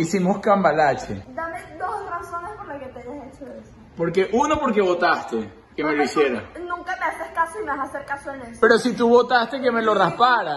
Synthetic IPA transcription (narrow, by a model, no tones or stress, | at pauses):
isimoskambalat͡ʃḛd̪amed̪osrɾasonehkonlaket̪eɲaset͡ʃoesopo̞ɾke̞ʔunopo̞ɾk̬eβo̞t̪ast̪e | kemeloisjeɾanũŋkameaseɾkasoimeasaseɾkasonespe̞ɾo̞sit̪uβo̞t̪ast̪eke̞me̞lo̞raspaɾa